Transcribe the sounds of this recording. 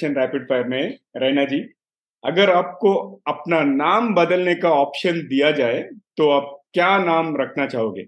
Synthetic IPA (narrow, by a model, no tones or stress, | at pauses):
ənɾɛːpɪɖfaɾmẽ | ɾɛːnad͡ʒiː | ɐɡəɾaːp̚koɐpnanaːmbɐd̪əlnekaɔːpʃənd̪ijad͡ʒaːet̪oɐb̚kjaːnaːmɾɐkʰnat͡ʃaːɦoːɡḛː